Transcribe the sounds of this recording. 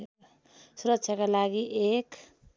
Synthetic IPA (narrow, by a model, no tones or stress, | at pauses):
suɾʌtːsʰjakalaɡiʔek